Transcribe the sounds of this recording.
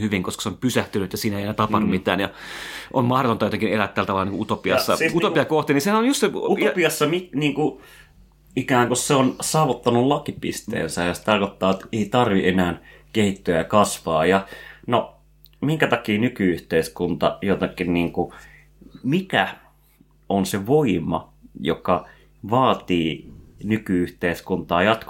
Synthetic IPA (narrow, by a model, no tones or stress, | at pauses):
hyʋiŋkoskɑseompysæht̪ynyt̪jɑsiːnæeˑienæːt̪ɑpɑnummit̪æ̰ːnjɑ | ʔommɑhdot̪ont̪ɑjot̪eŋkinelæt̪ːælːt̪ɑʋɑlɑniːkuut̪opiɑsːɑsut̪opiɑkoht̪ininsehænonjust̪seut̪piɑsːɑminiːŋku | ikæːŋkusseonsɑːʋot̪ːɑnullɑkipḭst̪ḛːnsæjjɑsi̥t̪ɑrkot̪ːɑːet̪eit̪ɑrʋienæːn | kehit̪ːyæjɑkɑsʋɑːjɑno | miŋkæt̪ɑkiːnykyyht̪eiskunt̪ɑ̰jot̪ɑkːinniːŋku | mikæ | onseʋoimɑ̰jo̰kɑ | ʋɑːt̪iːnykyyht̪eiskunt̪ɑːjɑt̪k